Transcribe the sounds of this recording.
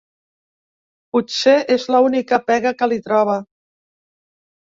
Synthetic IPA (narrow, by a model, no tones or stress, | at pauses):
put̪seʔezləunikəpɛɣəkəlit̪ɾɔβ̞ə